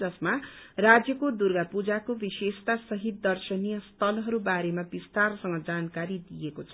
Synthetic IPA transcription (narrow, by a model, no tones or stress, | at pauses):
d͡zʌsmarad͡zjʌkod̪urɡapud͡zakobisest̪asʌɦit̪̚d̪ʌrsʌnijʌst̪ʰʌlɦʌɾubaɾemabist̪arsʌŋɡʌd͡zankaɾid̪ijekot͡sʰʌ